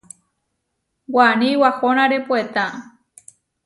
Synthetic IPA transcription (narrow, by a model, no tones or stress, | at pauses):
wanĩwahonãɾepuet̪ã